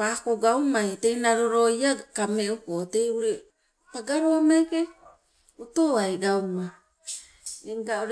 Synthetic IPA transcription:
pakoɡawmajtejnaɾoɾo̞iakameukoteuɾe | paɡaɾoamajke | utoajɡawma | eŋɡauɾ

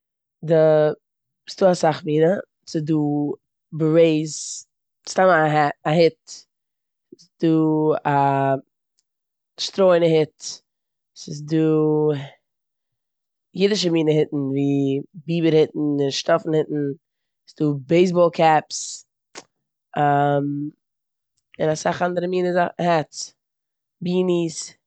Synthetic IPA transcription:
da | sd̥uːasaχmiːnə | sɪduː | bəɾeɪz | stamaɛaɦɪt | ɪsduːa | ʃtɾoɪnəhɪt | sɪz̬duː | jɪdɪʃ̬əmiːnəhɪtn̩viːbiːbəɾhɪtn̩ɪnʃtɔfn̩hɪtn̩ | sd̥uːbeɪs̬bɔːlˠkʰɛps | am | ɪnasaχandəɾəmiːnəzahɛtt͡s | biːnis

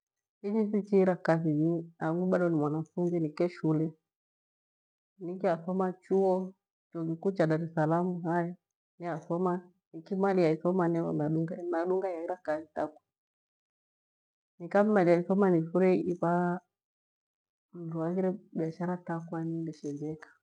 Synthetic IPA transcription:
id͡ʒisit͡ʃiɾakaziɲiaɡuɓaɗɔnimwanafunzinikɛʃulɛ | nikiasɔmat͡ʃuɔ | t͡ʃɔk̬ikut͡ʃadaɾɛsalamuɦaja | niasɔma | nikimalijaisɔmanɛanaɗuŋɡamaɗuŋɡaɛiɾakazitakwḁ | nikamimaliaisɔmaniʃuɾɛipa | m̩duaɣiɾɛɓiaʃaɾatakwanindɛʃɛd͡ʒɛkḁ

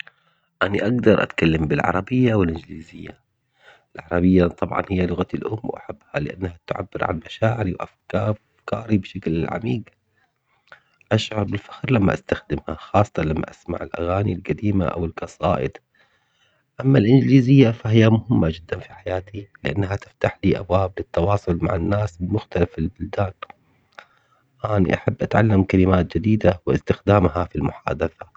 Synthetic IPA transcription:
ʔaniʔaɡd̪ɑɾˤʔa̰t̪kalːambɪlʕɑ̰ɾˤɑbɪjːawɪlʔɪnd͡ʒliːzɪjːa | ʔɪlʕɑɾˤɑbɪjːat̪ˤɑbʕɑ̰nhɪjːalʊɣat̪ɪlʔʊmːwʔa̰ħabːhalɪʔa̰nːhat̪ʊʕa̰bːɪɾʕa̰lmaʃaːʕɪɾiwʔa̰fkɑː | fkɑːɾibʃaklɪlʕa̰miːɡ | ʔaʃʕʊɾˤbɪlfḁxɾlamːa̰ʔast̪axd̪ɪmhaxɑːsˤt̪ˤɑnlamːa̰ʔasma̰ʕɪlʔa̰ɣaːnilɡad̪iːma̰ʔa̰wɪlkɑsˤɑ̰ːʔɪ̰d̪ | ʔamːalʔɪnd͡ʒliːzɪjːafaɦɪjːamʊhɪmːad͡ʒɪd̪ːanfiħajaːt̪ʰilɪʔa̰nːɦat̪ɪ̥ft̪aħliːʔa̰bwaːblɪt̪ːɑwɑːsˤʊlma̰ʕɪnːaːsmʊxt̪alafɪlbʊld̪aːn | ʔaːnḭʔaħabːʔat̪ʕalːamkalɪmaːt̪d͡ʒɪd̪iːd̪awɪ̰st̪ɪxd̪aːmhafilmʊħa̰ːd̪aθa

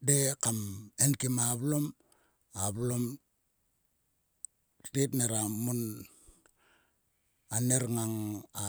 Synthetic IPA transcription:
dekamenkimaβlom | aβlom | titneɾamun | aneɾŋaŋa

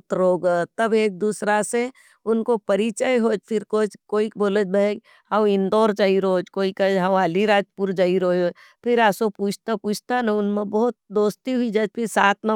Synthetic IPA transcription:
t̪ɾoːɡət̪ɐbeːk̚d̪uːsɾase | ʊnkopɐɾit͡ʃəjɦoːd͡ʒpʰɪɾkoːd͡ʒkoːikboːləd͡ʒbaeɡ | ɦɐ̃ɪ̃nd̪ɔːɾd͡ʒaiɾoːd͡ʒkoːikəd͡ʒɦɐwaːliɾaːd͡ʒpuɾd͡ʒaːiɾoːjoː | pʰɪɾaːsopuːt͡ʃʰt̪apuːt͡ʃʰt̪anaʊnmẽbɔɦʊt̪̚d̪oːst̪iɦʊid͡ʒɐd͡ʒpʰɪɾsaːt̪̚ʰnɐ

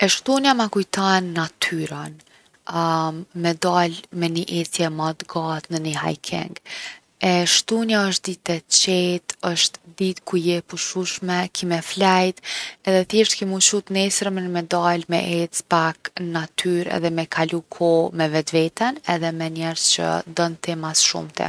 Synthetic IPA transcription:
ɛʃt̪unjamakujt̪anːat̪ʰyɾan | mɛd̪almɛniʔɛt̪jɛmat̪ɡat̪nəniɦa̰jkʰɛ̰ŋɡ | ɛʃt̪unjaəʃt̪̚d̪it̪ɛt͡ɕɛt̪əʃt̪d̪it̪kujɛpuʃuʃmɛkʰimɛflajt̪ɛðɛθɛʃt̪kimut͡ʃut̪nɛsɾəmɛnəmɛd̪almɛ̰ʔɛt͡spaknat̪ʰyɾɛ̰ðɛmɛkʰalukʰɔmɛvɛt̪vɛt̪ɛnɛðɛmɛɲɛɾz̥t͡ɕə̰d̪ənt̪ɛmasʃṵmt̪ʰɛ̰

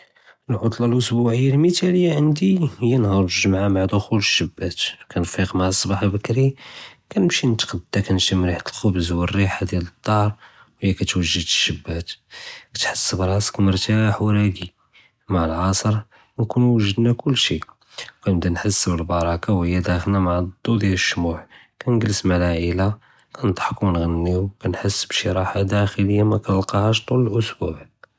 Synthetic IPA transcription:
əlʕʊt̪ˤlɑlʔʊsbuʕəjːalmət̪æləjːaʕənd̪ihəjːænhɑɾˤʒʒəmʕamaʕd̪ʊxuləʃːəbːæt̪kænfiqmaʕəsˤːbɑħəlbəkɾikænəmʃinət̪qd̪ːækænʃəmɾiħat̪əlxʊbzwərːiħad̪jælət̪ˤːɑɾˤ | whəjːækæt̪wəʒːəd̪əʃːəbːæt̪kæ̥t̪ħəsːəbɾˤɑsə̥kməɾˤt̪aħwɾæɡi | maʕəlʕɑsˤəɾ | nkunuwəʒəd̪nækʊlːʃi | wkænəbd̪ænħəsːbəlbɑɾˤɑkawhəjːæd̪æxəlnæmaʕd̪ːud̪jæləʃːmuħ | kænɡəlːəsmælaʔəla | kænəd̪ˤħəkwnɣənːiwwkænħəsːbʃiɾˤɑħad̪æxələjːamækælqɑhæʃ̬t̪ˤuləlʔʊsbuʕ

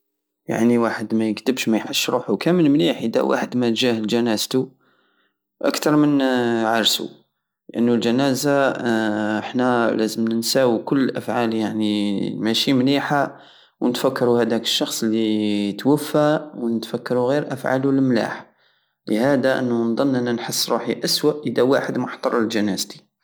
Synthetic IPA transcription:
ja̰ʕniwaħəd̪mæjəkt̪əbʃmæjħəʃːɾuħukæməlmliħʔəd̪æ̰wa̰ħəd̪mæt̪ʒæhlʒænæzt̪u | ʔə̰kt̪ɑɾˤmənʕɑɾˤsṵ | lʔənːulʒænæza | əħnælæzəmnsæwikʊlːʔæ̰fʕaljaʕnimæʃimliħa | wnət̪fækːɑɾuhæd̪ækə̥ʃːɑxsˤlːit̪wəfːawnət̪fækːɑɾuɣiɾʔæfʕa̰lulmla̰ħ | ləhæd̪aʔə̰nːund̪ˤɑnːʔənːænħəsːɾuħiʔæswaʔʔəd̪æwaħəd̪mʊħt̪ˤɑɾˤəlʒænæzt̪i̥

